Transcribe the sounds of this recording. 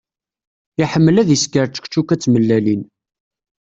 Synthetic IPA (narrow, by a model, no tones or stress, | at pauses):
iħəmːəlæðiskəɾt͡ʃə̥kt͡ʃːukæt͡sːməlːælin